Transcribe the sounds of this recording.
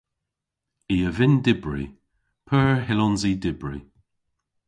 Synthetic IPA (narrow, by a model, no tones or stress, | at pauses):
iəvɪndɪbɹḭ | pʰəːɹɦɪlɔnzidɪbɹi